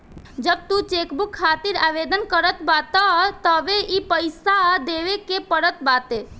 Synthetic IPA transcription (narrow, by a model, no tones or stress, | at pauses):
d͡ʒəb̚t̪ut͡ʃeːkbukʰːaːt̪iɾaːʋed̪ənkəɾət̪bat̪ət̪əʋeʔipəjsad̪eʋekepəɾət̪baːt̪e